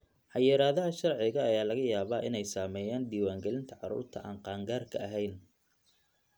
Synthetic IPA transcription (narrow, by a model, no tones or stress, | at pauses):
ħɑjɛɾaːðɐɦɐʃɐrʕɪɣɐːjaːlɐɣɐjaːβaːʔɪ̰nɛjsaːmɛːjaːnɖ̪iːwaːŋɡɛlɪnt̪ʰɐʕɑɾṵːrt̪ʰɐʔa̰ːɴqɑːŋɡaːrkʰɐɐɦɛjn